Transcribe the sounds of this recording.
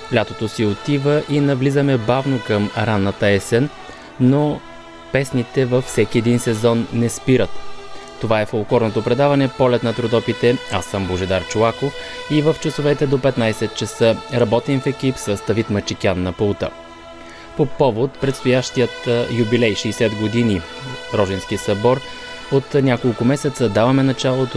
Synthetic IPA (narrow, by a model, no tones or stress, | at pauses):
flʲat̪ot̪osiot̪ivəʔinɐvlizəmɛbavnokəmɾanːət̪əɛsɛnː | o | pɛsnit̪ɛvəfsɛkʲiɛd̪insɛzɔnːɛspiɾət̪ː | ovaɛfolˠkɔɾnot̪opɾɛd̪avɐnɛpɔlɛt̪nɐt̪ɾod̪ɔpit̪ɛasəmboʒɛd̪aɾt͡ʃovakoivəft͡ʃəsovɛt̪ɛd̪opɛt̪najsɛt̪̚t͡ʃəsəɾɐbɔt̪ɛnfɛkipsəsd̪ɐvit̪mət͡ʃikʲanːɐpolˠt̪ə̰ | popɔvot̪pɾɛt̪st̪ojaʃt̪ijət̪jubilɛjʃɛjsɛd̪ɡod̪iniɾɔʒɛnskisɐbɔɾ | ot̪nʲakolˠkʊmɛsɛt̪səd̪avɐmɛnɐt͡ʃalˠot̪o